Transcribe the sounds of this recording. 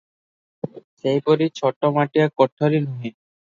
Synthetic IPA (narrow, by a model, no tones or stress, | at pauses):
sejpoɾit͡ɕʰɔʈːomaʈijakɔʈʰːoɾinuɦe